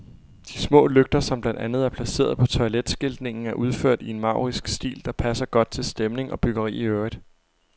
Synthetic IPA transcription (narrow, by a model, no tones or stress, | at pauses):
d̥ismɔ̰ːløɡ̥̚d̥ɐsɒ̽mb̥lænd̥ænð̞̩ˠæɐpʰlæse̝̰ːɐð̞̩ˠpʰɒ̽t͡sʰɒ̽iled̥sɡ̥e̝ld̥ne̝ŋn̩æɐʔuð̞ˠfø̰ɐ̰d̥ie̝nmɑ̈ʊ̰ʁisɡ̥sd̥ḭːld̥ɑ̈pʰæsɐɡ̥ɒ̽d̥̚t͡sʰe̝lsd̥emne̝ŋɒ̽b̥yɡ̥ɐʁḭːiøid̥